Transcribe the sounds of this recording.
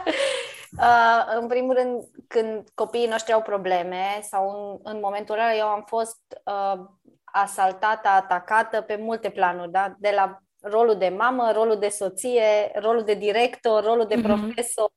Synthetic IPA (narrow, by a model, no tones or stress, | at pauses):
əɨnpɾimulɾɨnd̪kɨnd̪ko̞piːno̞ʃt̪ɾiawpɾo̞ble̞me̞sawnɨnmo̞me̞nt̪uraljewamfo̞st̪ə | asalt̪at̪əat̪akat̪əpe̞mult̪e̞planurʲd̪ad̪e̞la | ro̞lud̪e̞maməɾo̞lud̪e̞so̞t̪sije̞ro̞lud̪e̞d̪iɾe̞kt̪o̞rːo̞lud̪e̞pɾo̞fe̞so̞r